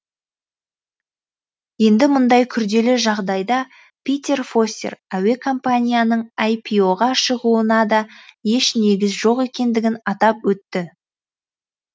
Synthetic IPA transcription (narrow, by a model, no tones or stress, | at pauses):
je̞nd̪ɪmʊnd̪ɑjkʲʰʏɾd̪e̞lɪʒɑʁd̪ɑjd̪ɑ | pʲijt̪ʲe̞rfo̞st̪ḛræwe̞kʰo̞mpanʲijanəɴɑjpʲʰijo̞ʁɑʃəʁuənɑd̪ɑje̞ʃne̞ɡʲɪzʒo̞qe̞kʲe̞nd̪ɪɡʲɪnɑt̪ɑpwɵt̪ːɪ